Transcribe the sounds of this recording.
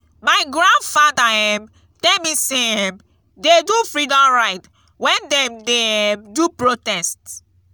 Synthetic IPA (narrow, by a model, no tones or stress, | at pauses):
maɪɡɹãndfadaɛm | tɛmiseɛm | dedufɹidɔ̃mɹaɪt | wɛ̃ndɛ̃mdedupɹotɛst